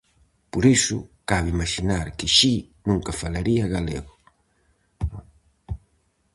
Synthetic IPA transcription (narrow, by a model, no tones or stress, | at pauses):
poɾisʊ̰kaβimaʃinaɾkɪʃi | nũŋkɐfalaɾiɐɣalḛɣʊ